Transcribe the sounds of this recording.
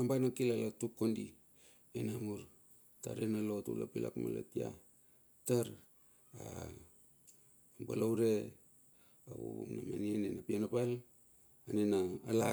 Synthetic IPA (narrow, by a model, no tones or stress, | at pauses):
ambanakilalatukːondi | enamuɾ | ta̰ɾenalotṵla̰pila̰kma̰lo̰tia̰ | taɾ | a | amba̰lawɾe | aβṵuna̰manianenapianapal | anenaːla